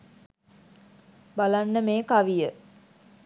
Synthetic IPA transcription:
balanːəmeːkaʋijə

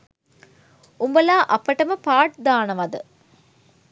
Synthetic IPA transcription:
umbɐlaːʔɐpːɐʈɐmɐpaːʈ̚d̪aːɳɐʋɐd̪ɨ

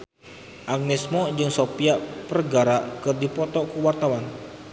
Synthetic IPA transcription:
ʔaŋnɪsmɔd͡ʒɨŋsopiapərɡaɾakɨrdipɔt̪ɔkuwart̪awan

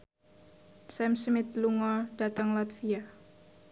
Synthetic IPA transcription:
sɛmsmit̪luŋɔldat̪aŋlat̪fia

